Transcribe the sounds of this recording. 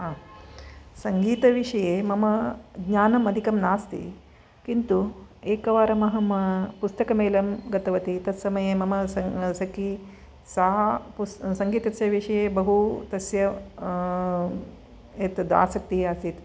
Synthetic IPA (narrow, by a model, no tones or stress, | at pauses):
aː | sɐŋɡiːt̪ɐʋiʂɐjeːmɐmɐɡɲaːnɐmɐd̪ʱikɐmnaːst̪ḭ | kint̪ueːkɐʋaːɾɐmɐɦɐmɐpust̪ɐkɐmeːlɐmɡɐt̪ɐʋɐt̪it̪ɐt̪sɐmɐjeːmɐmɐsɐsɐki | sɐɦɐpussɐŋɡiːt̪ɐsjɐʋiʂɐjeːbɐɦut̪ɐsjɐ | eːt̪d̪a̰ːsɐk̚t̪iɦaːst̪it̪